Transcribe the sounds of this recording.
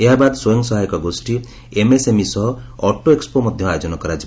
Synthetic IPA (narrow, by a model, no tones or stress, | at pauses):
eɦabad̪sojɔŋsɔɦajkɔɡosʈi | emesemisɔɦɔɔʈoekspomɔd̪ʱjɔajod͡ʒɔnɔkɔɾad͡ʒi